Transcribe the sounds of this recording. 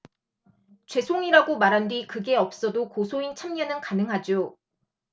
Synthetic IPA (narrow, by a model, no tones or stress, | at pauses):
t͡ɕwe̞sʰoŋiɾaɡomaɾɦandwikɯɡe̞ʌp̚s͈ʌdokosʰoint͡ɕʰamɲʌnɯnkanɯŋɦad͡ʑo